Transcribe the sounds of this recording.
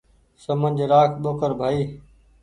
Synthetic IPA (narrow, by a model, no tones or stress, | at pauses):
səmə̃nd͡ʒʱɾaːkʰɓoːkəɾbʱaːiː